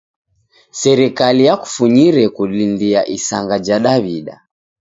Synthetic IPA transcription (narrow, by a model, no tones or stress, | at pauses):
sɛɾikalijaku̥fuɲiɾɛkulindiaʔisaŋɡad͡ʒaɗaβiɗa̰